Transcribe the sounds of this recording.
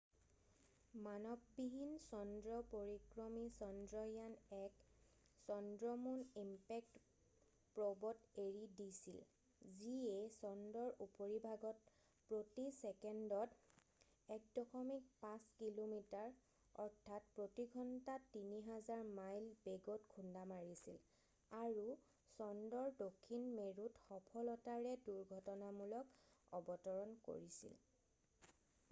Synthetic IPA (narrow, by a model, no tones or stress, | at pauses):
manɔbːiɦinsɔndɹɔpoɹikɹɔmisɔndɹɔjanɛksɔndɹɔmunimpɛk̚t | pɹɔbɔteɹidisḭl | ziesɔndɔɹupoɹibʱaɡɔt̚ | pɹotisɛkɛndɔt | ɛk̚dɔxʰɔmik̚pãskilomitaɹ | ɔ̰ɹtʰat̚pɹotiɡʱɔntatiniɦazaɹmajlbeɡotkʰundamaɹisil | aɹu | sɔndɔɹdokʰːinmeɹutxɔpʰɔlɔtaɹɛduɹɡʱɔtɔnamulɔkɔbɔtɔɹɔnko̰ɹisḭl